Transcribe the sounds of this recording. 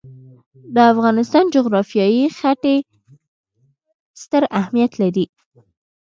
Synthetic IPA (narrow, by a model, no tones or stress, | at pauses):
d̪əafɣɑnɪst̪ɑnd͡ʒʊɣɾɑfjɑjixaʈe | st̪əɾahmijat̪laɾi